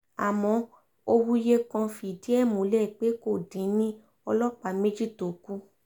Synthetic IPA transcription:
a˨mɔ̃˨˧˦ | o˧wu˦je˦kã˧fi˨di˦ɛ˦˨mũ˨˦lɛ˦˨k͡pe˨˦ko˦˨dĩ˨˦nĩ˦ | ɔ˧lɔ˦k͡pa˨˦me˦d͡ʒi˦˨to˨ku˦

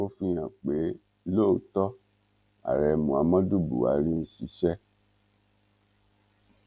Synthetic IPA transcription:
o˦fĩ˧j̃ã˨k͡pe˨˦ | lo˦˨tɔ˦ | a̰˨ɾɛ˨mũ˨a˨˦mã˦du˦˨bṵ˨a̰˨˦ɾĩ˦si˧˦ʃɛ˦

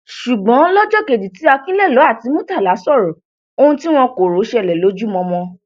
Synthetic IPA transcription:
ʃu˨ɡ͡bɔ̃˨˦lɔ˦d͡ʒɔ˦˨ke˨di˨ti˨˦a˧kĩ˦lɛ˦˨lɔ˨˦a˦˨ti˨˦mũ˦ta˦˨la˨˦sɔ˦˨ɾɔ˨˦ | o˦˧hũ˧ti˦w̃ɔ̃˧ko˨ɾo˨˦ʃɛ˧˨lɛ˨lo˨˦d͡ʒu˦mɔ̃˧mɔ̃˧

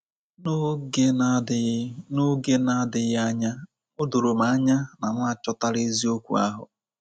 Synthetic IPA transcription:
n˦˨ | no˦ɡe˦na˦dɪ˨ɣa˦ɲa˦ | ʊ˦do˨ɾo˨m̩˨a˦ɲa˦na˨m˦a˨t͡ʃɔ˦ta˦ɾe˦zi˦o˦kʷṵ˨a̰˦ɦʊ̰˨

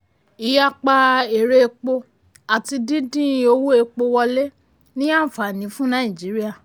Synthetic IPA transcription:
i˨ja˦k͡pa˧e˨ɾe˧e˧k͡po˧ | a˨ti˧dĩ˦dĩ˦˧o˧wu˦e˧k͡po˧wɔ˧le˦ | nĩ˦a˦˨fa˨nĩ˨˦fũ˦nãː˦˨ĩ˨d͡ʒi˨˦ɾi˦a˦˨

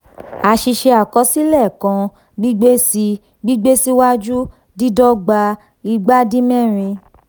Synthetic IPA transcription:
a˨ʃi˧ʃe˧a˨kɔ˧˦si˦lɛ˦˨kã˧ | ɡ͡bi˦ɡ͡be˦si˧ | ɡ͡bi˦ɡ͡be˦si˦wa˦d͡ʒu˦ | di˦dɔ˦ɡ͡ba˧ | i˧ɡ͡ba˦di˦mɛ̃˦˨ɾ̃ĩ˧

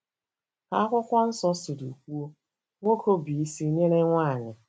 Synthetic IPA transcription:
ka˦kʷʊ˦kʷa˦n̩˦sɔ˦sɪ˨du˨kʷu˦o˦ | ŋʷo˦ko˦bi˨i˦si˦ɲe˦ɾe˦ŋʷa˦˨ɲɪ˨

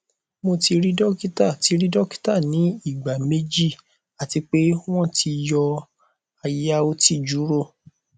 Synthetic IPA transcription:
mo˧ti˧ɾi˦dɔ˦ki˦ta˦˨ti˨˧˦ɾi˦dɔ˦ki̥˦ta˦˨nĩ˨˦i˦˨ɡ͡ba˨me˦d͡ʒi˦˨ | a˨ti˧k͡pe˦w̃ɔ̃˦ti˧jɔ˧ | a˧ja˦o˧ti˦˨d͡ʒu˨˦ɾo˦˨

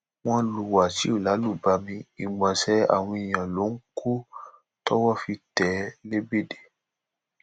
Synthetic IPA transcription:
w̃ɔ̃˧lu˨wa˨si˦o˦˨la˨˦lu˦˨ba˧mĩ˧i˨ɡ͡bã˨sɛ˨˦a̰˦˨w̃ɔ̃˧i˨j̃ã˨lo˨˦ŋ̩˦kʰu˦ | tɔ˦wɔ˦fi˧tɛ˨˦le˦be˦de̥˦˨

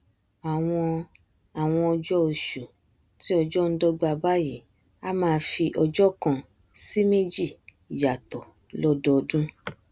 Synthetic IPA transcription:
a˨w̃ɔ̃˧ | a˨w̃ɔ̃˧ɔ˧d͡ʒɔ˦o˧ʃu˨ | ti˦ɔ˧d͡ʒɔ˦n̩˦dɔ˦ɡ͡ba˧ba˦ji˦˨ | a˦mãː˧fi˧ʔɔ˧d͡ʒɔ˦kã˧ | si˦me˦d͡ʒi˦˨ | ja˨tɔ˨ | lɔ˦dɔ˦˧dũ˦

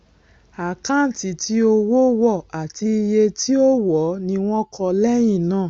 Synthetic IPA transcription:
a˨kã˦n˨ti˨˦ti˧˦o˧wo˦wɔ˦˨a˨ti˧i˧je˧ti˦o˦wɔ˨˦nĩ˧w̃ɔ̃˦kʰɔ˧lɛ˦j̃ĩ˦˨nãː˦˨

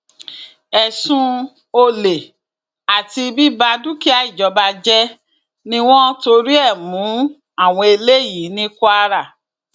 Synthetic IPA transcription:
ɛ˨sũ˧ | o˧le˨ | a˨ti˧bi˦ba˧du˦ki˦a˨i˦˨d͡ʒɔ˨˧ba˧d͡ʒɛ˦ | nĩ˦w̃ɔ̃˦to˧ɾi˦ɛ˦˨mũ˨˦ | a˦˨w̃ɔ̃˧e˧le˦˨ji˨˦nĩ˦ka˧ɾa˦˨

